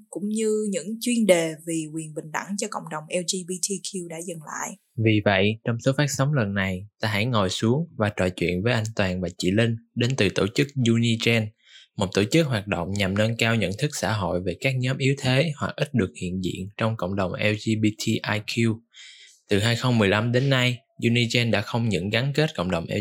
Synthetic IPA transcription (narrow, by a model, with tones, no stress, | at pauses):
kʊ̰˧˥ŋ͡mɲɨ˧ɲɨ̰˧˥ŋt͡ɕwi˧ənɗe˨˩vi˨˩kwi˨˩ənɓï˨˩ŋ̟ɗa˧˩ŋt͡ɕɔ˧kɔ̰˧˨wŋ͡mɗə˨˩wŋ͡mʔɛ˧wzi˧ɓi˧t̪ʰi˧kʰi˧wɗa̰ː˧˥zə˨˩ŋla̰ː˧˨j | vi˨˩və̰˧˨jt͡ɕɔ˧wŋ͡mso˨˦faː˦˥t̚sɔ˨˦wŋ͡mlə˨˩nːa˨˩jt̪aː˧ɦa̰˧˥jŋo˨˩jsu˨˦əŋvaː˨˩t͡ɕɔ̰˧˨jt͡ɕwḭ˧˨ənvəː˨˦jʔa˧jŋ̟t̪waː˨˩nvaː˨˩t͡ɕḭ˧˨lï˧ŋ̟ɗe˨˦nt̪ɨ˨˩t̪o˧˩t͡ɕɨ˦˥k̚zu˧ni˧t͡ɕɛ˧n | mo˨˩t̚t̪o˧˩t͡ɕɨ˦˥k̚ɦwaː˨˩t̚ɗo̰˧˨wŋ͡mɲa˨˩mnəː˧nkaː˧wɲə̰˧˨nt̪ʰɨ˦˥k̚sa̰ː˧˥ɦo̰˧˨jve˨˩kaː˦˥k̚ɲɔ˨˦mʔi˨˦wt̪ʰe˨˦hwa̰˨˩k̚ʔï˦˥t̟̚ɗɨ˨˩ək̚hḭ˧˨ənzḭ˧˨ənt͡ɕɔ˧wŋ͡mko̰˧˨wŋ͡mɗə˨˩wŋ͡mʔɛ˧wzi˧ɓi˧t̪ʰi˧ʔaː˧jkʰji˧t̪ɨ˨˩ɦaː˧jxə˧wŋ͡mmɨ˨˩əjla˧mɗe˨˦nːa˧j | zu˧ni˧t͡ɕɛ˧nɗa̰ː˧˥xə˧wŋ͡mɲɨ̰˧˥ŋɣa˨˦nke˦˥t̚ko̰˧˨wŋ͡mɗə˨˩wŋ͡mʔɛ˧